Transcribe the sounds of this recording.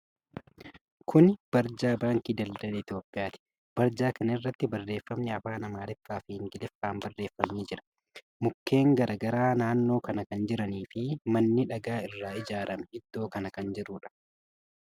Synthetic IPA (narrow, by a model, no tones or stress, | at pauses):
kʰʊnb̥ɐɾd͡ʒaːbaːŋkiːd̪ɐld̪ɐlɐɪt̪jo̞ːpʼːɪjaːt̪ɪ̥ | b̥ɐɾd͡ʒaːkɐnɐɪrːɐt̪ːɪbɐrːe̞ːfːɐmnɛɐfaːnɐmaːlɪfːaːfɪhɪŋɡɪlɪfːaːmbɐrːeːfːɐmniːd͡ʒɪɾɐ̥ | mʊkːe̞ːŋɡɐɾʔɐɡɐɾaːnaːnːo̞ːkɐnɐkɐnd͡ʒɪɾɐniːfɪmɐnːɪᶑɐɡaːɪrːaːɪd͡ʒaːɾɐmɛhɪd̪ːo̞ːkɐnɐkɐnd͡ʒɪɾuːᶑɐ̥